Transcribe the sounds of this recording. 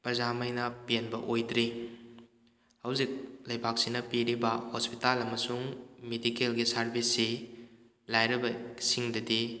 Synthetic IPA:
pɾɐzamɐjnɐpenbɐʔojdɾi | hɐwzik̚lɐjbʱak̚sinɐpiɾibɐhospitalɐmɐsuŋmedikelɡisaɾbʱisːi | lajɾɐbɐsiŋdɐdi

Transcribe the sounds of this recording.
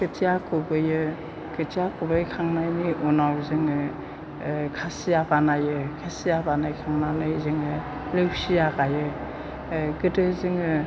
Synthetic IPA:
kɯtʰijakʰobɯjɯ | kɯtʰijakʰobɯjkʰaŋnajniʔɔnawzɯŋɯ | kʰasijabanajɯkʰasijabanajkʰaŋnanɯjzɯŋɯ | lɯwsijakajɯ | ɡɯdɯzɯŋɯ

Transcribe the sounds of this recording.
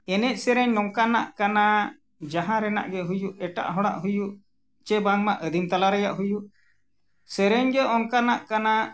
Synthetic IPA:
ɛnɛc̚sɛɾɛɲɔŋkana̰ʔkana | d͡ʒaɦãɾɛna̰ʔɡɛɦujuʔɛʈa̰ʔɦɔɽa̰ʔɦujuʔ | t͡ʃɛbaŋmaʔəd̪ʱimt̪alaɾɛjaʔɦujuʔ | sɛɾɛɲɡɛʔɔŋkanaʔkana

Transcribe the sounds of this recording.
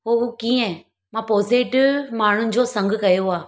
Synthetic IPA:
oːuːkĩːɛ̃ | mãːpoːzeːʈɪʋmaːɳ̤ʊ̃nd͡ʑoːsɐ̃ŋɡɨkɐjoaː

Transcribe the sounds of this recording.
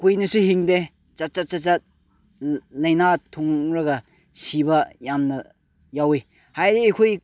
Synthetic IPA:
kujnɐsuhiŋde | t͡ʃat͡ʃat͡ʃat͡ʃat̚ | lɐjnatʰːuŋɾɐɡɐ | sibɐjamnɐ | jawe | hajdiːkʰoj

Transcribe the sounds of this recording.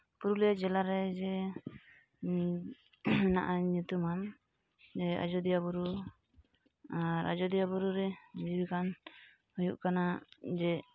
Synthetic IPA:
puɾulɛd͡ʒɛlaɾɛd͡ʒɛ | naʔaɲut̪uman | d͡ʒɛa̰d͡ʒɔd̪ijabuɾu | aɾa̰d͡ʒɔd̪ijabuɾuɾɛd͡ʒibikan | hɔjuʔkanad͡ʒɛ

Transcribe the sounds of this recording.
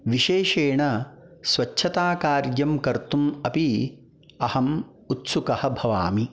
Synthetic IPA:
ʋiʃeːʃeːɳɐsʋɐt͡ʃʰɐt̪aːkaːɾjɐmkɐɾt̪umɐpi | ɐhɐm | ut̪sukɐhɐ̆bʱɐʋa̰ːmi

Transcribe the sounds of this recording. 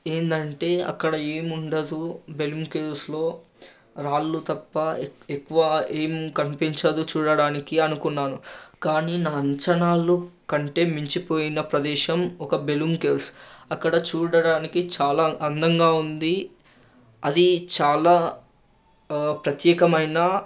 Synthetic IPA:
e̞ːnd̪ɐɳʈe̞ːɐ̰kːɐɽɐeːmuɳɖɐd̪ube̞lumke̞ːlslo̞ː | ɾaːlːut̪ɐpːɐekːuʋɐeːmkɐmpiɲt͡ʃɐd̪ut͡ʃuːɽɐɽaːnikiɐnukunːaːnukaːniːnaːɐɲt͡ʃɐnaːlukɐɳʈe̞ːmiɲt͡ʃipo̞ːjinɐpɾɐd̪ɛːʃɐmɔkɐbe̞lumkeːlsɐkːɐɽɐt͡ʃuːɽɐɽaːnikit͡ʃaːlaːʔɐnd̪ɐŋɡaːund̪i | ɐd̪it͡ʃaːlaː | pɾɐt̪jɛːkɐmɐjnɐ

